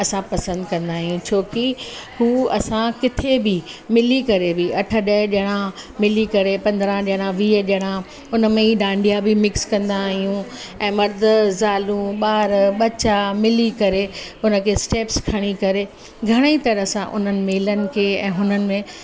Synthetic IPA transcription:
ɐsãpɐsə̃nd̪kɐ̃nd̪aːɦijũt͡ɕʰoːkihuːɐsãkɪt̪ʰebɪmɪlikɐɾebʱiɐʈʰə̆ɗɐɦɪɗəɽ̃ãmɪlikɐɾepɐ̃nd̪ɾãɗɽ̃ãʋiːəɗɐɽ̃ã | ʊn̆mẽiɖãːɳɖʱijabɪmɪkskɐ̃nd̪aːɦijũɛ̃ːmɐɾd̪ʱə̆zaːlũɓaːɾɓɐt͡ɕamɪlikɐɾeʊnə̆kʰesʈeːpskʰɐɽ̃ikɐɾe | ɡʱɐɽ̃əit̪ɐɾəsã̰ʔʊ̰n̤ənɪ̆meːlənɪ̆kʰeːɛ̰̃ːɦʊnənɪ̆mẽ

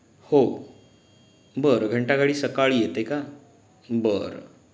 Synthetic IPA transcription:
ho | bəɾɡʱəɳʈaɡaɽiːsəkaɭijet̪eka | bəɾ

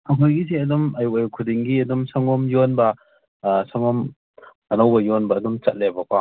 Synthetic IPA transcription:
ɐkʰɔjɡis̬eɐdumɐjuɐjukʰudiŋɡiɐdumsɐŋɔmjonbɐ | sɐŋɔm | ɐnɐwbɐjonbɐːdumt͡ʃɐt̚lebɐpʰa

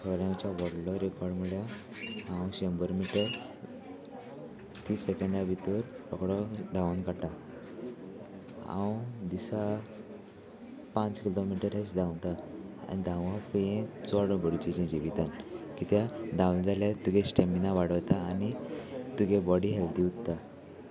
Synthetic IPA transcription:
sʰɔɾjãwt͡ɕaʋɔɽlɔɾekɔɾɽmiɭja | hãwɕembəɾmiʈəɾ | t̪isekəɳɖabʱit̪uɾɔkɽɔd̪ʱãʋə̃nkaʈa | ã̰wd̪isa | pãt͡skilomiʈəɾesd̪ʱãwt̪aa̰nid̪ʱãʋãpjẽt͡sɔɽə̃bəɾt͡ɕet͡ɕẽd͡ʑiʋit̪ankit̪jad̪ʱãwnd͡zaljat̪uɡeɕʈeminaʋaɽəʋt̪aːnit̪uɡebɔɽiɦɛlt̪iutt̪ːa

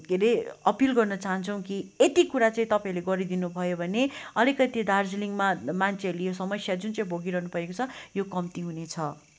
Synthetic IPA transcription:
ɡʱeɾeʌpilɡʌrnʌt͡saɦʌnt͡sʰʌw̃kiet̪ikuɾat͡saĩt̪ʌpaĩleɡʌɾid̪inubʱʌjobʱʌneʌlikʌt̪id̪ard͡zliŋmamant͡sʰeʌɾulijosʌmʌsjad͡zunt͡sʌĩbʱoɡiɾʌɦnupʌekot͡sʰʌjokʌmt̪iɦunet͡sʰʌ

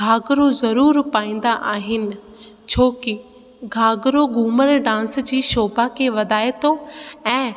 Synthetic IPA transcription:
ɡʱaːɡɾozɐɾuːɾpaːĩːnd̪aʔaːɦɪnɪ̆ | t͡ɕʰoːkɪ | ɡʱaːɡɾoɡʱuːməɾɖãːnsd͡ʑiːʃoːbakʰeʋɐd̪aːet̪oɛ̃ː

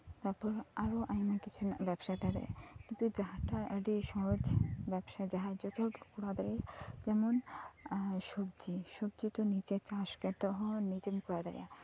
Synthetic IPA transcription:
t̪aɾpɔɾaɾoʔajmakit͡ʃʰunbɛbʃat̪ad̪ɛ̰ɾ̰kint̪ud͡ʒaɦaʈaəɖiʃɔɦɔd͡ʒbɛbʃad͡ʒaɦad͡ʒɔt̪ɔɾpɾokuɾad̪aɾiad͡ʒɛmon | ʃobd͡ʒiʃobd͡ʒit̪onit͡ʃet͡ʃaʃkɛt̪ɔɦɔnid͡ʒemkuɾad̪a̰ɾḭa

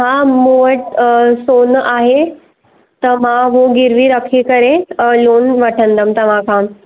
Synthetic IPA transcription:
ɦamuʋəʈsonaɦe | t̪əmaʋoɡiɾʋiːɾəkʰiːkəɾẽlonʋəʈʰənd̪əmt̪əʋãka

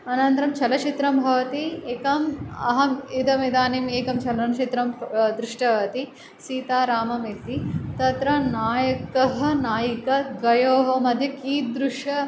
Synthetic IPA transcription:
ɐnɐnt̪ɾɐmt͡ʃʰɐlɐt͡ʃit̪ɾɐmbʱɐʋɐt̪ieːkɐmɐ̰ɦɐmid̪ɐmid̪aːnimeːkɐmt͡ʃʰɐlɐnɐt͡ʃit̪ɾɐmd̪ɾɪʂʈɐʋɐɐt̪i | siːt̪aːɾaːmɐmit̪it̪ɐt̪ɾɐnaːjɐkɐɦɐ̆naːjikɐd̪ʋɐjoːɦɐmɐd̪ʱjɐkiːt̪̚d̪ɾuʂjɐ

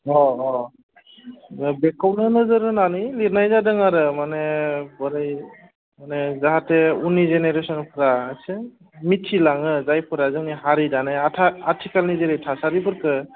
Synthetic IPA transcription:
ɔɔ | bɛkawnɯnɯzɯɾɯnanɯjliɾnajzadɯŋaɾɯmanebɔɾaj | manezaɦateunizeneɾesɔnpʰɯɾaajsʰɯ | mitʰilaŋɯzajpʰɯɾazɯŋiɦaɾidanaatʰaatʰikalnizeɾijtʰasaɾibʰɯɾkɯ

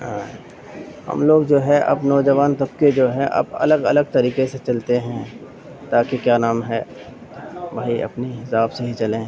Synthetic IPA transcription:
ɦã | hɐ̰mloːɡd͡ʒoːɦɛʔɐ̰bnɔːd͡ʒəʋaːnt̪ɐb̚ked͡ʒoːɦɛ̃ʔɐ̰bɐ̰ləɡɐləɡ̚t̪ɐɾiːkeset͡ʃɐlt̪eɦɛ̃ | t̪aːkekjaːnaːmɦɛː | bʱaːiɐ̰pniɦɪsaːbseɦit͡ʃɐlẽː

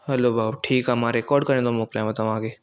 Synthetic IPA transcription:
ɦɐloːbaʈʰiːkɦɛmaɾekɔːɾɖkɐɾẽd̪omoːklãːbɐt̪aʋãːɡeː

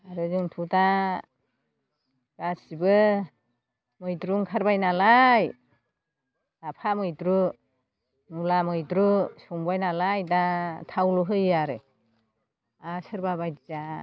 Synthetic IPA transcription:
aɾɯzuŋtʰuta | ɡ̥asibɯ | mɯjdɾuŋkʰaɾbajnalaj | apʰamɯjdɾu | nulamɯjdɾusuŋbajnalajdatʰawluɦɯjaɾɯ | asɯɾbabajdiza

